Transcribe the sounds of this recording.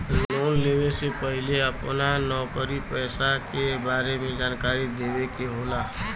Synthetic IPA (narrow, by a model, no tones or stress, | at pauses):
loːnleːwesepəɦɪleəpnanɔːkəɾipɛːsakebaːɾemẽd͡ʒaːnkaːɾid̪eːwekeɦoːlaː